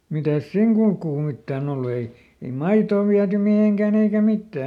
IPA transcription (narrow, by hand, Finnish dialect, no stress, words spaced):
mitæs siˑŋ kulkuː mitːæːn olːu ei ei mɑitoː ʋiæty miheŋkæˑn eikæ mitːæː